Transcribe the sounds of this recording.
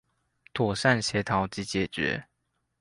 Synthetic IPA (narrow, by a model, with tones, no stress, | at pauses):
t̪ʰwɔ˨˩sa˥˨nɕjɛ˨˧˥t̪ʰɑ˨˧˥ʊt͡ɕi˨˥t͡ɕjɛ˨˩t͡ɕɥɛ̰˨˧˦